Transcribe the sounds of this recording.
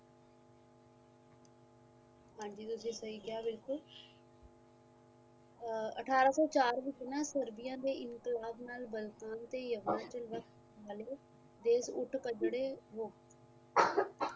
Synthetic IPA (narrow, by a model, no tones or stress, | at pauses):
ɦãːɲd͡ʒiːt̪ʊsĩːsəiːkɪjaːbɪlkʊl | ə̰ʈʰaːɾaːsɔːt͡ʃaːɾʋɪt͡ʃnaːsəɾbɪjãːd̪eːɪŋklaːbnaːlbəlt̪aːnt̪eːjəʋaːt͡ʃəlʋək | aːleː | d̪eːsʊʈʰkəd͡ʒɽeːɦoːt